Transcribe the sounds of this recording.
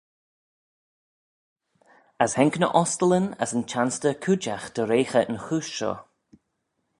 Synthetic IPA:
əshɛŋknə̰ʔɔst̪ələnə̰sənt͡ʃʰanstəkʰud͡ʒaxd̪̥əɾeːxəʔənxuːʃʃɔ̰

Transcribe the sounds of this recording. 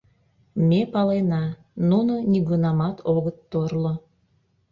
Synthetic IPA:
mepɑlenɑ | nunoniɣunɑmɑt̪ʰoɣət̪ːorlo

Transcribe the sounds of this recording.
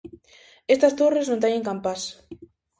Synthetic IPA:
est̪ɐst̪oreznõnt̪eɲẽŋkampas

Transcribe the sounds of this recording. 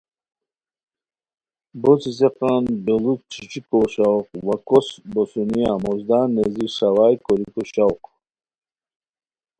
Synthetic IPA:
bɔt͡sis̬eqanbelut̚t͡ʃʰit͡ʃikɔɕawqwakɔsbɔsuniamɔzd̪aneziʂawajkɔlikɔɕawq

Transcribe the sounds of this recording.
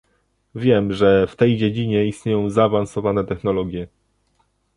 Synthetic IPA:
vʲjɛmʐɛft̪ɛjd͡ʑed͡ʑiɲɛist̪ɲejɔ̃w̃zaːvansɔvanɛt̪ɛxn̪ɔlɔɡʲjɛ

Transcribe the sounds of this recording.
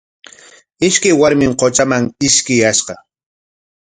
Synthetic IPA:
ɪʃkajwaɾmɪŋqot͡ʃamaŋɪʃkɪjaʃqɑ

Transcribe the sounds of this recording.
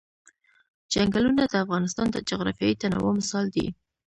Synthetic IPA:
d͡ʒaŋɡalunad̪əafɣɑnɪst̪ɑnd̪əd͡ʒʊɣɾɑ̰fjɑjit̪anɑ̰wɑmɪsɑld̪ḭ

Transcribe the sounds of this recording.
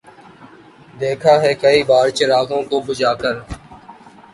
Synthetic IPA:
d̪eːkʰaːɦɛːkɐiːbaːɾt͡ʃəɾaːɡõkobʊd͡ʒaːkəɾ

